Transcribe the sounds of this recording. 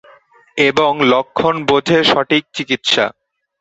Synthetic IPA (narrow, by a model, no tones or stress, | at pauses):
eboŋlokʰːonbod͡ʑʱeʃɔʈik̚t͡ɕikit̪ʃa̰